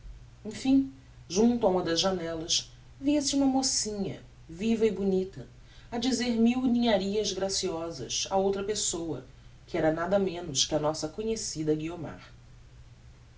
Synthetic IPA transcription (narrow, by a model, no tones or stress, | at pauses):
ẽfĩ | ʒũnt̪ʊɐũmɐd̪ɐzʒanɛlɐʃ | viɐsɪũmɐmosĩɲɐ̰ | vivɐɪbunit̪ɐ | ad͡ʒizeɾmiwnĩɲaɾiɐzɡɾasiɔzɐ̰saowt̪ɾɐpesowɐ | kɪɛɾɐnad̪ɐmẽnʊʃkɪɐnɔsɐkõɲesid̪ɐɡioma̰ɾ